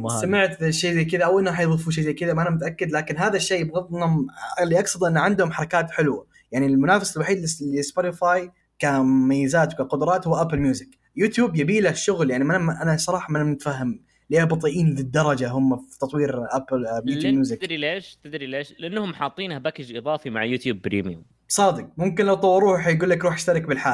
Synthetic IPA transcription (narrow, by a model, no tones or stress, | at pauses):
samɪʕt̪ʃːeːzejkɪðaʔawʔɪnːħajðˤɨfuːʃ̬ejzejkɪðamaʔanamʊt̪aʔakːɪd̪laːkɪnɦaːðaʃːeːbɣɑðˤnʊmlːiːʔɑksˤɑd̪ˤʔɪnːaʕɪnd̪hʊmħɑɾˤɑkaːt̪ħɪlwa | jaʕnilmʊnaːfasalwaħiːd̪llɪspot̪ɪfaːj | kamʊmajːɪzaːt̪wkaqʊd̪ʊɾˤɑːt̪hʊwːaʔaplmjuːzɪk | juːt̪juːbjabiːlaʃːʊɣljaʕnimanmʔanasˤɑɾˤɑːħɑmɪnamɪt̪faɦːam | leːbɑt̪ˤiʔiːnðid̪ːɑɾˤɑd͡ʒaɦʊmːaft̪ɑt̪ˤwiːɾʔaplmiːd̪jamjuːzɪkɾileːʃt̪ɪd̪ɾileːʃlɪʔanːhʊmħɑːt̪ˤːiːnhabakɪd͡ʒʔɨðˤɑːfimaʕjuːt̪juːbpɾḭːmijʊ̰m | sˤɑːd̪ɪq̚mʊmkɪnlawt̪ˤɑwːɾˤuːħjɡuːlːakɾuːħɪʃt̪ɑɾˤɪkbɪlħaːl